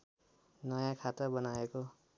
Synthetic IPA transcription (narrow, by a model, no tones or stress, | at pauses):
nʌjãkʰat̪ʌbʌnaeko